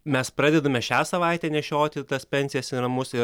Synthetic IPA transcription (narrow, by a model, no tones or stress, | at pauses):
mʲɛspɾɑːd̪ʲɛd̪ɐmʲɛʃʲæːsɐʋɑˑɪt̪ʲɛnʲɛʃʲoːt̪ʲɪt̪ɐspʲɛnʲsʲɪjɛsiːɾɐmʊsɪ